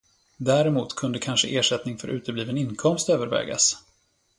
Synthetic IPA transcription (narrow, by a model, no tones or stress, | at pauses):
d̪æːɾɛmuːt̪kʰɵnd̪əkʰanʂə̰ʔeːʂɛt̪nɪŋfœɾʔʉ̟ːt̪əbliːvənɪnkʰɔmst̪øːvəɾvɛ̰ːɡa̰s